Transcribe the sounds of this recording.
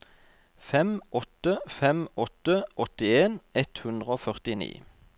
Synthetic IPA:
fɛmɔt̪əfɛmɔt̪əʔɔt̪ɪeːnɛt̪hʉnd̪ʁəoːfœʁt̪ɪnḭː

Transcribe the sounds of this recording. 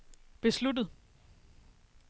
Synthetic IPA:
b̥e̝sludð̩ˠ

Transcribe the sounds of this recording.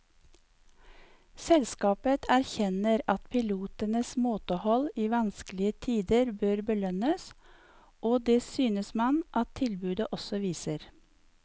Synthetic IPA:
sɛlskɑːpət̪ʰæɾçɛnəɾɑt̪pʰɪluːt̪ənəsmoːt̪əhɔliːʋɑnsklɪət̪ʰiːd̪əɾbøːɾbəlœnəs | ʔoːd̪eːsyːnəsmɑnʔɑt̪ʰːɪlbʉːd̪əʔɔsɔʋiːsəɾ

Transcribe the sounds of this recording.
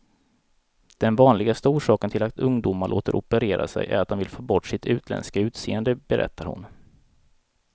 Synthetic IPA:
d̪̥ɛnvɑːnlɪɡast̪uːʂɑːkənt̪ʰɪlat̪ɵŋd̪ʊmaɭʔo̰ːt̪əɾʔɔpəɾeːɾa̰sɛ̰jʔæ̰ɾat̪̚d̪ɔnmvɪlfʰoːbɔʈːʂɪt̪ʰʉ̟ːt̪ʰlɛ̰nskaʉ̟ːt̪seːənd̪əbɛɾʔɛ̰t̪ːaɾhʊ̰n

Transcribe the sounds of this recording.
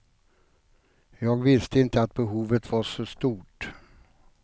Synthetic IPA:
jɑːɡvɪst̪əɪnt̪əat̪̚bɛɦuːvət̪vaʂɔst̪uːʈ

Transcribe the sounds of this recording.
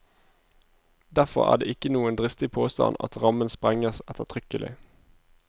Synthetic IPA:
d̪æʁfɔʁæ̰ːd̪ḛːʔɪkənuːənd̪ʁɪst̪ɪpʰoːst̪ɑ̰nɑ̰t̪ʁɑmənspʁɛŋəsɛt̪ət̪ʰʁʏkəlʔɪ̰

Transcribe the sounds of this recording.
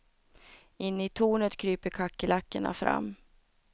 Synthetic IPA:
ɪnːɪt̪ʰuːɳət̪kʰɾyːpəɾkʰakːəlakːəɳa̰fɾa̰mː

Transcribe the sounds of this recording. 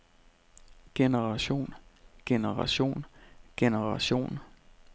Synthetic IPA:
ɡ̥enəʁɑ̈ɕo̝̰ːnɡ̥enəʁɑɕo̝̰ːnɡ̥enəʁɑɕo̝̰ːn

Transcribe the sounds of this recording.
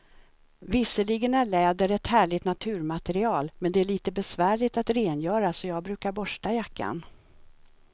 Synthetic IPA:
vɪsəlɪɡənæɭɛːd̪əɾɛt̪hæːɭɪt̪nat̪ʰʉ̟ːɾmat̪ɛɾɪɑːlmɛnd̪ɛæɭiːt̪əbɛsvæːɭɪt̪at̪ɾeːnjœːɾasɔjɑːɡ̚bɾʉ̟ːkaɾbɔʂʈajakːa̰n

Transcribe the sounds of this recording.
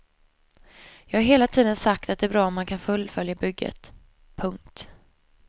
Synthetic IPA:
jɑːɡhaɾɦeːlat̪ʰiːd̪ənsak̚t̪at̪̚ɛæːbɾɑːɔmːankʰanfɵlfœljabʏɡːə̰t̪ | pʰɵŋk̚t̪

